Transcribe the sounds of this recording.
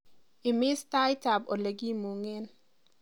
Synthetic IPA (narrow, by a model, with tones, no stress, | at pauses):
ɪ˨mɪ˦sta˦jta˨bo˨le˨ɡi˦mu˨ŋe˦n